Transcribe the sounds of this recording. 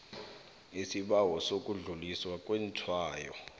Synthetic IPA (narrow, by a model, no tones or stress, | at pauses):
isiɓawɔsokʼuɮuliswakʼwɛntʰwaːjɔ